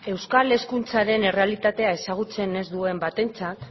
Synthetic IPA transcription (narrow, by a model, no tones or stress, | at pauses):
e̞wskale̞skunt͡saɾe̞ne̞re̞alit̪at̪e̞ae̞saɣ̞ut͡se̞ne̞zd̪ue̞mbat̪e̞nt͡sat̪